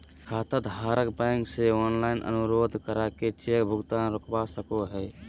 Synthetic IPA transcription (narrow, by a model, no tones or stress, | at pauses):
kʰaːt̪əd̪ʱɦaːɾəkbɛ̃ŋkseɔnlaɪnʔə̰nuɾod̪ʱkəɾaket͡ʃekbʱʊɡt̪anɾokʰbasəkoɦɛ